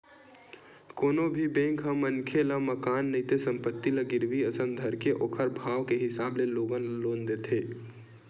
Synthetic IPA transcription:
koːnobʱibẽːŋkɦəmənkʰelaməkaːnːəit̪esə̃mpət̪ːiləɡɪɾʋiəsəmd̪ʱəɾkeʔoːkʰəɾbʱaːʋkeɦɪsaːbleloːɡənloːnd̪et̪ʰeː

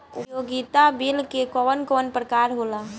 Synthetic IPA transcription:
ʊjoɡit̪abilkekɔʋənkɔːnpɾəkaːɾɦola

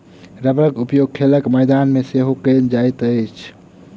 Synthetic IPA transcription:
ɾəbɾəkupjoɡ̚kʰeləkməjd̪anmeseɦokənd͡ʒajt̪əjt͡ʃʰ

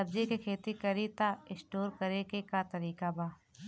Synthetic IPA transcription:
ɐbd͡ʒekekʰeːt̪ikɐɾit̪aɪ̃sʈoːɾkɐɾekekat̪ɐɾiːkabaː

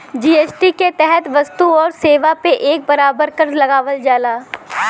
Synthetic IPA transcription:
d͡ʒiːeːsʈiket̪ɛɦɛt̪ʋɐst̪uɔːɾseːʋapeʔeːk̚bɐɾaːbəɾkəɾlɐɡaːʋəld͡ʒaːlaː

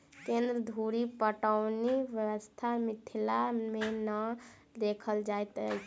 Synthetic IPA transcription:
kẽnd̪ɾəd̪ʱuɾipəʈəʊniʋjəwəst̪ʰamit̪ʰilamenə | d̪ekʰəld͡ʒajt̪ə

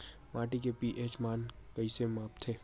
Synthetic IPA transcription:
maːʈikepiʔeːt͡ʃmaːn | kəisemaːpt̪ʰeː

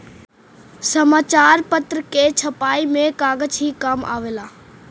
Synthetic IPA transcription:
sɐmaːt͡ɕaːɾpɐt̪ɾəket͡ɕʰɐpaːimẽkaːɡət͡ʃɦiːkɐma̰ːʋeːlaː

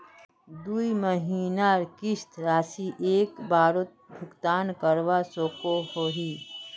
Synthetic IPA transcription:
d̪uːiməɦiːnaɾkɪst̪ʰɾaːsiʔeːkbaːɾot̪̚bʱʊkt̪aːnkəɾʋasoːkohoːɦiː

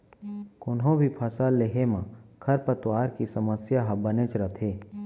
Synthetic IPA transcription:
kʊnɦõbʱipʰasaːlːeɦemãkʰɐɾpət̪waːɾkisəməsjaɦbənet͡ʃɾət̪ʰeː

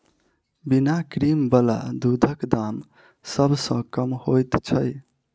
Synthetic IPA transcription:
binakɾimbəla̰d̪ud̪ʱəkd̪am | səbʱsə̃kəmhojt̪t͡ʃʰəj

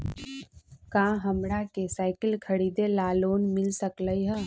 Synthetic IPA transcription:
kãːɦɐmɽakesaːɪkəlkʰɐɾiːd̪elaːloːnmɪlsəkləiɦɛ

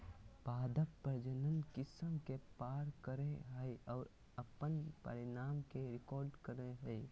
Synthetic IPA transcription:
paːd̪əpːəɾd͡ʒənənkɪsəmkepaːɾkəɾẽɦəeɔːɾ | ɐpənpə̰ɾɪnaːmkeɾɪkɔːɾɖkəɾẽɦəe

